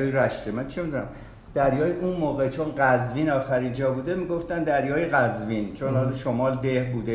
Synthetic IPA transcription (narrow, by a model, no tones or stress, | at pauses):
ɾæʃt̪emænt͡ʃʰemid̪unæm | d̪̥æɾjɒːjeʔunmoːɣe̞t͡ʃʰonɢæzviːnɒːxæɾind͡ʒɒːbuːd̪emiɡoft̪ænd̪æɾjɒːjeɣæzvint͡ʃʰonɒlʃomɒːld̪ehbuːd̪e